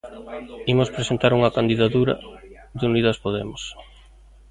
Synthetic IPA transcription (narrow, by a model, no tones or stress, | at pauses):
imʊspɾesent̪aɾuŋɐkand̪iðat̪uɾɐ̰ | ðuniðaspoðemos